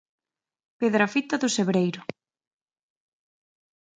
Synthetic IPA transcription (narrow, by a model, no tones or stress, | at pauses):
peðɾafit̪ɐðʊseβɾejɾʊ